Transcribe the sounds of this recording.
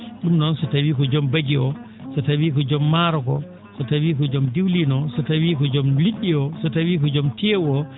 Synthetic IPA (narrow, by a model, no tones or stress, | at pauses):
ɗumnɔnsɔtawiːkɔd͡ʒɔmbaɡiɔ | sɔtawiːkɔd͡ʒɔmːaːɾɔkɔ | sɔtawiːkɔd͡ʒɔmdiwlinɔsɔtawiːkɔd͡ʒɔmliɗːiɔsɔtawiːkɔd͡ʒɔmtɛwɔ